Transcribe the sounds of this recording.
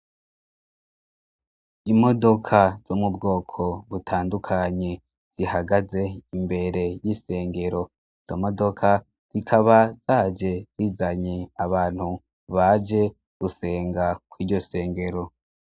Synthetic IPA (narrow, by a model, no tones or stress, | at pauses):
imo̞do̞kʰaz̥omubɡo̞ːkʰo̞βutʰaːndukʰaɲe̞ | z̥ihaɡaze̞imbe̞ɾe̞jise̞ːŋɡe̞ɾo̞ | z̥omo̞do̞kʰa | z̥ikʰaβaz̥aːd͡ʒe̞z̥iːzaɲe̞aβaːn̥hu | βad͡ʒe̞ | ɡ̥use̞ːŋɡakwiːɾɟo̞se̞ːŋɡe̞ɾo